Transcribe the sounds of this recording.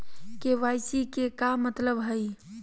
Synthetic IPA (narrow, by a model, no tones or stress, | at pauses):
keʋajsikekamət̪ləbɦəj